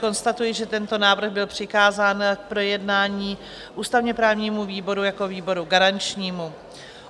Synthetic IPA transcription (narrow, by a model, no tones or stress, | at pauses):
ko̞nst̪at̪ujɪʒɛt̪ɛnt̪o̞naːvr̩ɣbɪlpr̝̥ɪkaːzaːnk̚pɾo̞jɛdnaːɲiː | ʔuːst̪avɲɛpɾaːvɲiːmuviːbo̞ɾujako̞viːbo̞ɾuɡaɾant͡ʃɲiːmu